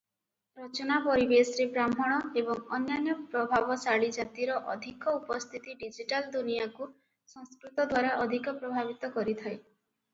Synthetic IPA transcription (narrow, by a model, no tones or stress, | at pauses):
ɾɔt͡ʃɔnapɔɾibesɾebɾamɔɽ̃ɔebɔŋɔnjanjɔpɾɔbʱabɔsaɭid͡ʒat̪iɾɔʔɔd̪ʱikɔupɔst̪ʰit̪iɖid͡ʒiʈald̪unijaku | sɔ̃ŋskɾut̪ɔd̪waɾaʔɔd̪ʱikɔpɾɔbʱabit̪ɔkɔɾit̪ʰaj